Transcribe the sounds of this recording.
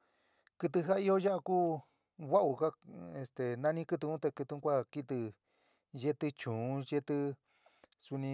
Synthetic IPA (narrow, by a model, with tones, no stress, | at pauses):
kɨ˧t̪̬ɨ˧ɦa˦i˦jo˦ja˦ʔa˧kuː˦ | wa˦ʔu˧ka˦e˧st̪e˨nã˧nĩ˦kɨ˧t̪ɨ˧ũ˦t̪e˧kɨ˧t̪ũ˧˦kʷa˦ki˦t̪ɨ˧ | je˦t̪ɨ˧t͡ʃũː˨˦je˦t̪ɨ˦˧ | su˧nĩ˧